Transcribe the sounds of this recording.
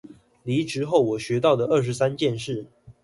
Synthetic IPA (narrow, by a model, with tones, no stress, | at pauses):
li˨˧˥ʈ͡ʂɻ̩˧˥xo˥˩ʊwɔ˨˩ɕɥɛ˧˥t̪ɑ˥˩ʊd̪ə˩ə˥˩ʂ̬̩˧˥˦sa˦nt͡ɕjɛ˥˧nʂɻ̩˥˩